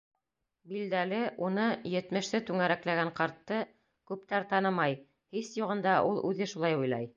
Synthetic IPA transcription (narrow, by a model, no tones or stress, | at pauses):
bild̪ælɘʔunɤjɘ̆t̪mɘ̆ʃsɘt̪ʉŋæɾæklæɡæɴqɑɾt̪ːɤ | kʉpt̪æɾt̪ɑnɤmɑj | hisjuʁɤ̆nd̪ɑʔulˠʉðɘʃulˠɑjujlˠɑ̰j